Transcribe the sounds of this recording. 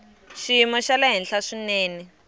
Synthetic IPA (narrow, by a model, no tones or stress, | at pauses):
ʃimɔʃalaɦinɬaʂineːni